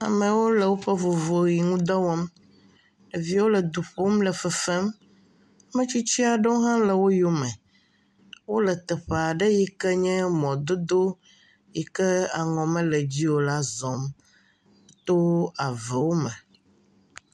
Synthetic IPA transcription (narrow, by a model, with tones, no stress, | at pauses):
a̰˨mə̃˨wo˦lə˨wo˦ɸə˦vo˨vo˨ji˨ŋũ˦d̪ɔ˦wɔ˦m | ɖə˨vi˦wo˦lə˨d̪u˨ɸo˦mlə˨fɛ˨fɛ˦m˦ | mẽ˦t͡ɕi˦t͡ɕi˦a˨ɖə˦wo˦ɦã˦lə˨wo˦jo˦mɛ˨ | wo˦lə˨t̪ɛ˨ɸe˨a˨ɖə˦ji˦kə˦ɲɛ̃˦mɔ̃˨d̪o˦d̪o˦ | ji˨kə˦a˨ŋɔ̃˨mə̃˦lə˨d͡ʑi˦wo˨la˦zɔ̃˨m | t̪o˦a˨vɛ˨wo˦mɛ̃˨